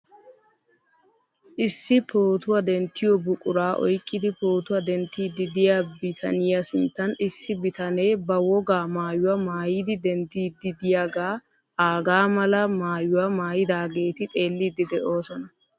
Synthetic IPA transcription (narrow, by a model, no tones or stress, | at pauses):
ʔɪsːɪpoːt̪ʊwɐd̪ɛnt̪ːɪjɔbʊkʼʊɾaːʔɔ̰jkʼːɪd̪ɪpo̞ːt̪ʊwɐd̪ɛnt̪ːiːd̪ɪd̪ɪjaːbɪt̪ʰɐ̰nɪjɐsɪnt̪ːɐnɪsːɪbɪt̪ɐne̞ːbɐwɔɡaːmaːjʊwɐmaːjid̪ɪd̪ɛnt̪ːiːd̪ɪd̪ɪjaːɡaː | ʔaːɡaːmɐlɐmaːjʊwɐmaːjɪd̪aːɡe̞ːt̪ɪt̪ʼe̞ːlːiːd̪ɪd̪ɛʔo̞ːsɔnɐ